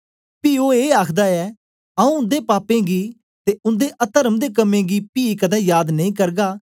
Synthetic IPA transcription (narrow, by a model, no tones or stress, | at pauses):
piːoːeːaːkʰd̪aːɛː | aũːʊ̃nd̪eːpaːpẽːɡiː | t̪eːʊ̃nd̪eːʔət̪əɾəmd̪eːkəmẽːɡiːpiːkəd̪ɛ̃ːjaːd̪nəĩːkəɾɡaː